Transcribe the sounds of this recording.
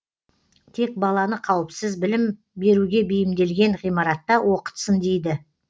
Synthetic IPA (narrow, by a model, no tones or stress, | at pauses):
t̪ʰe̞k̚bɑlˠɑnəqʰɑwəpsɪzbɪlɪm | be̞ɾuɡʲe̞bejɪmd̪e̞lɡʲe̞ɴʁijmɑɾɑt̪ːɑwo̞qə̥t̪sənd̪e̞jd̪ɪ